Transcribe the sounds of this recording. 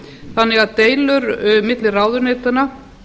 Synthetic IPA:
θanːɪɣaðt̪eːjlʏɾmɪt̪lɪraːwðʏɾnejt̪ana

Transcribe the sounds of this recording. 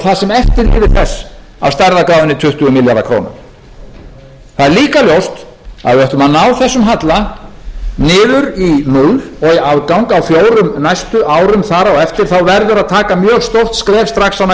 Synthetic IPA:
θaðsɛmɛft̪ɪɾlɪːvɪɾθɛsː | a̰wst̪ajɾðakɾaːðʏnɪt̪ʰʏht̪ʏʏmɪljaɾða̰kʰɾo̰ːna̰ɾ̥ | θaðɛɾliːkaljowst̪ | a̰ðɪœht̪lʏmanaːwθɛsːʏmɦat̪la | nɪːðʏɾimulvɔɣiaðkawŋkawfjoːwɾʏmnajst̪ʏʔaːwɾʏmθaːɾaɔɣɛft̪ɪɾ̥θawvɛɾðʏɾaðt̪ʰaːkamjœːɣst̪owht̪skɾɛːfst̪ɾaxsːana

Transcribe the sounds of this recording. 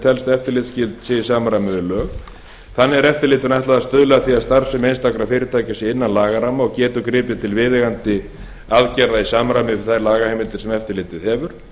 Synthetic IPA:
t̪ʰɛlst̪ɛft̪ɪɾlɪːt̪scɪlt̪sɪsaːmɾamʏðʏlœːɣ | θanːɪɛɾɛft̪ɪɾlɪːt̪ɪɾnajht̪laðast̪œðlɛɣaθiaðst̪aɾsɛmejnst̪akɾafɪːɾɪt̪ʰaːjcasɪɪnːanlaːɣaɾamaɔɣcɛːt̪ʏkɾɪːpɪt̪ʰɪlvɪːðɪɣant̪ɪ | aðcɛɾðaisaːmɾamɪɪ̥θajɾlaːɣahejmɪnt̪ɪɾ̥sɛmɛft̪ɪɾlɪːt̪ɪðhɛvʏɾ̥

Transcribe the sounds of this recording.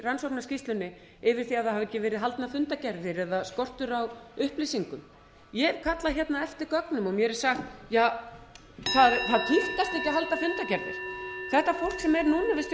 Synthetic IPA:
ransowknascist̪lʏnːɪ | ɪvɪɾ̥θiaðθahavɛcːɪvɛːɾɪðɦalt̪nafʏnt̪acɛɾðɪɾɛðaskɔr̥t̪ʏɾawʏhplisiŋkʏm | jɛðkʰat̪laçɛt̪naɛft̪ɪɾkœknʏmɔɣmjɛɾɛɾ̥saxt̪jaː | θaðθaðt̪ʰift̪ast̪ɛhcɪaɦalt̪afʏnt̪acɛɾðɪ̰ɾ̥θɛht̪afowl̥ksɛmɛɾnuːnavɪst̪

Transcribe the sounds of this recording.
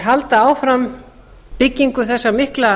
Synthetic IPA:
ɦalt̪aaːwfɾam | pɪcːiŋkʏθɛsːamɪhkla

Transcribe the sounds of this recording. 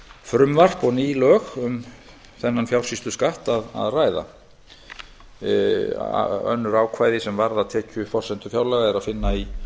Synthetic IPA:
fɾʏmvar̥pɔɣniːlœːɣʏm | θɛnːanfjawr̥sist̪ʏskaht̪aða̰ðraːjða̰ | œ̰nːʏɾaːwkʰvaːjðɪsɛmvaɾðaðt̪ʰɛːcʏfɔr̥sɛnt̪ʏ̥fjawɾlɛɣaɛɾaðfɪnːai

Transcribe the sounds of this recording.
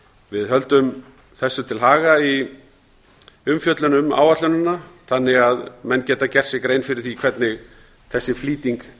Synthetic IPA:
vɪðɦœlt̪ʏm | θɛsːʏt̪ʰɪlɦaːɣai | ʏmfjœt̪lʏnʏma̰ːwvat̪lʏnanːaθanːɪɣaðmɛnːcɛːt̪acɛr̥sɪkɾejnfɪɾɪɾ̥θikʰvɛt̪nɪɣ | θɛsːɪfliːt̪iŋk

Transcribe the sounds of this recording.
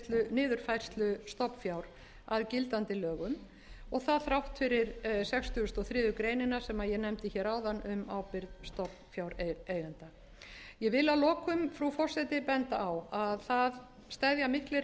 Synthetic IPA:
t̪lʏnɪːðʏɾ̥fajr̥st̪lʏst̪ɔpfjawɾ | aðcɪlt̪ant̪ɪlœːɣʏm | ɔɣθaðθɾawht̪fɪɾɪɾsɛkst̪ʏʏst̪ɔθɾɪːðʏkɾeːjnɪnasɛmajɛnɛmt̪ɪçɛːɾaːwðanːʏmawpɪɾðst̪ɔp | fjawɾeeːjɣant̪a | jɛvɪlaðlɔːkʏmfɾufɔr̥sɛt̪ɪpɛnt̪aawaðθað | st̪ɛðjamɪhklɪɾ

